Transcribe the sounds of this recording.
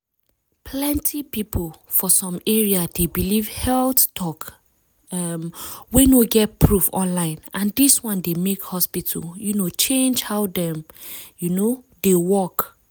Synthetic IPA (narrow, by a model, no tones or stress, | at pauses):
pʰlɛ̃ntʰipipʰol | fɔsɔ̃mɛɹiadebilivhɛlttʰɔk | mwɛ̃noɡɛt̚pʰɹufɔ̰̃nlãɪ̃nʔãndiswɔ̃ndemekhɔspitʰə̰ljunot͡ʃẽnd͡ʒhaʊdɛ̃m | juno | dewɔk